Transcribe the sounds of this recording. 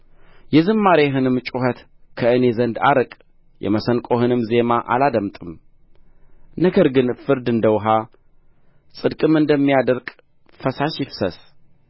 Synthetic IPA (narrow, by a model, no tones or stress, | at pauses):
jɛzɨmːaɾeɦɨnɨmt͡ʃʼuhət̪ | kʰəɨne̞zənd̪a̰ɾɨkʼ | jɛ̰məsənkʼo̞hɨnɨmze̞maʔa̰lad̪əmt̪ʼɨm | nəɡəɾɡɨnfɨɾd̪ɨnd̪əwɦa | sʼɨd̪kʼɨmɨnd̪əmːijad̪əɾkʼ | fəsaʃɪfsəs